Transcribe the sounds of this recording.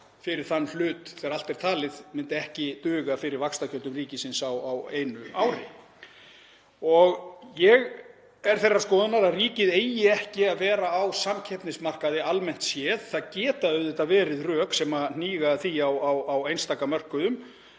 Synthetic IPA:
fɪɾɪɾ̥θanːl̥ʏːt̪θɛɣaɾal̥t̪ɛɾ̥t̪ʰaːlɪðmɪnt̪ɪɛhcɪt̪ʏːɣafɪɾɪɾvakst̪acʰœlt̪ʏmriːcɪsɪnsawaweːjnʏaːwɾɪ̰ | ɔɣjɛɣ | ɛɾ̥θejrːaskɔːðʏnaɾaðriːcɪðeːjɪɛhcɪaðvɛːɾaːwsamcʰɛpnɪsmar̥kaðɪalmɛn̥t̪sjɛːðθaðcɛːt̪aœɥðɪht̪avɛːɾɪðrœːksɛman̥iːɣaθiawawawejnst̪aːkamœr̥kʏðʏm

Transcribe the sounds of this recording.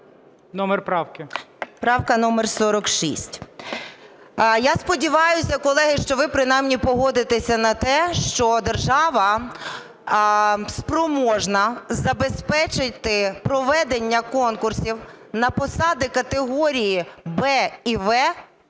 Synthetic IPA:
nɔmɛrpɾɑwkɪpɾɑwkɐnɔmersɔɾɔkʃḭsʲtʲ | jaspɔdʲiʋɑjʊsʲɐkɔlˠɛɦɪʃt͡ʃɔʋɪpɾɪnɑjmnʲipɔɦɔd̪ɪt̪esʲɐnɐt̪ɛʃt͡ʃɔd̪erʒɑʋɐ | spɾɔmɔʒnɐzɐbespɛt͡ʃɪt̪ɪpɾɔʋɛd̪enʲːɐkɔnkʊrsʲiw | nɐpɔsɑd̪ɪkɐt̪eɦɔɾʲijibɛiʋɛ

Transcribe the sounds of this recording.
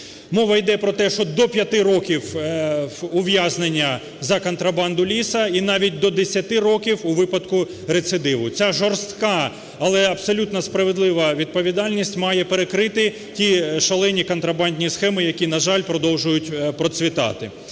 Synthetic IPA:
mɔʋɐjd̪ɛpɾɔt̪ɛʃt͡ʃɔd̪ɔpʲjɐt̪ɪɾɔkʲiw | ʊʋjaznenʲːɐ | zɐkɔnt̪ɾɐbɑnd̪ʊlʲisɐinɑʋʲit̚ʲd̪ɔd̪esʲɐt̪ɪrɔkʲiwʊʋɪpɐd̪kʊ | ɾet̪sɪd̪ɪʋʊt͡sʲaʒɔrst̪kɑ | ɐlˠɛɐbsɔlʲut̪nɐspɾɐʋed̪lˠɪʋɐʋʲid̪̚pɔʋʲid̪ɑlʲnʲisʲtʲmɑjɛpeɾekɾɪt̪ɪ | tʲiʃɐlˠɛnʲikɔnt̪ɾɐbɑnʲdʲnʲisxɛmɪjɐkʲinɐʒɑlʲpɾɔd̪ɔwʒʊjʊtʲpɾɔt̪sʲʋʲit̪ɑ̰t̪ɪ

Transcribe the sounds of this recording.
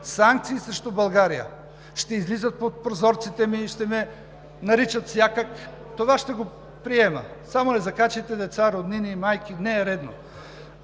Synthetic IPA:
saŋk̚t̪siːsɾɛʃt̪obɐlˠɡaɾijə̰ | ʃt̪ɛizlizət̪̚pot̪̚pɾozɔɾt̪sit̪ɛmiːʃt̪ɛmɛ | nɐɾit͡ʃət̪fsʲjakək | t̪ovaʃt̪ɛɡo | pɾiɛmə̰samoɛzɐkat͡ʃit̪ɛd̪ɛt̪saɾod̪ninimajkinɛːɾɛd̪no̰

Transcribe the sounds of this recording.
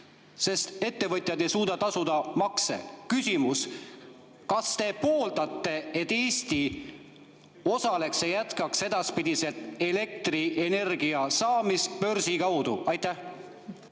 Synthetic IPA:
se̞st̪e̞t̪ːe̞vɤt̪ʲˑjɑd̪e̞jsuːd̪ɑt̪ɑsud̪̥ɑmɑksḛkysʲimus | kɑst̪e̞po̞ːlt̪ɑt̪ˑːe̞et̪ːˑeːst̪i | o̞sɑle̞ksejæt̪kɑkse̞d̪ɑspid̪̥ise̞lt̪e̞le̞k̚t̪riʔene̞rɡiɑsɑːmist̪pø̞rsikɑwd̪̥uɑjt̪ːˑæh

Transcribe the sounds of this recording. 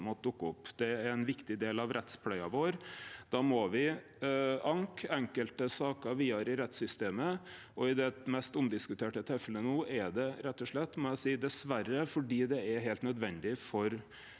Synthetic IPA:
mɔt̪̚d̪ʊkːəʊpːd̪ɛæɾɛnʋɪkt̪ɪd̪eːlɑʋɾʔɛt̪spʰlɛɪɑʋoːɾd̪̥ɑːmɔʋɪ | ʔɑŋkɛŋkəlt̪əsɑːkəʋiːɑɾɪɾɛt̪sʏst̪eːmə | ɔɪd̪ɛmɛst̪ʊmd̪ɪskʉt̪ʰeːʈət̪ʰefələnuːʔæɖɛɾɛt̪ːɔʂɭɛt̪ːmɔjæɪsiːd̪ɛsʋæɾːəfɔɖiːd̪ɛæɾɦeːlt̪nœd̪ʋɛnd̪ɪfɔɾ

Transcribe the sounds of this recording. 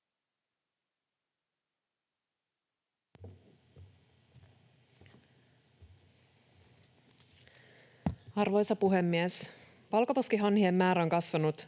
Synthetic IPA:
ɑrʋo̞jsɑpuɦe̞mːies | pɑlkɑposkiɦɑnhiemːæːɾæoŋkɑsʋɑnut̪

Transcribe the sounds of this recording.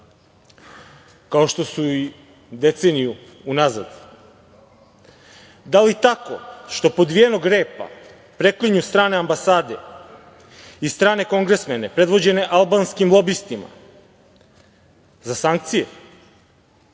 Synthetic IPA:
kao̞ʃt̪o̞sui | d̪e̞t̪se̞nijuː | naza̰d̪ | d̪alit̪ako̞̰ʃt̪o̞po̞d̪ʋijeno̞ɡɾeːpa̰ | pɾe̞kliɲust̪ɾaːneambasaːd̪e̞̰ | ist̪ɾaːne̞ko̞ŋɡɾe̞smene̞pɾe̞d̪ʋo̞d͡ʑe̞ne̞ʔalˠbanskimlˠo̞bist̪ima̰ | zasaŋk̚t̪sije

